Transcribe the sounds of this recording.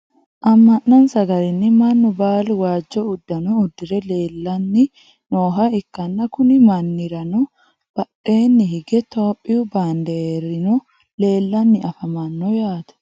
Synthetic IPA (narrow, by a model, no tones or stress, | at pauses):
ʔɐmːɐnːɐnsɐɡɐlɪnːɪmɐnːʊbaːlwaːd͡ʒːɔʊd̪ːɐnɔːd̪ːɪɾɛleːlːɐnːɪ | noːɦɐɪkːɐnːɐkʊnɪmɐnːɪɾɐnɔ | b̥ɐᶑe̞ːnːɪɦɪɡɛt̪o̞ːpʼːɪjʊbaːnd̪eɾɪnɔ | le̞ːlːɐnːɪɐfɐmɐnːɔjaːt̪ɛ̥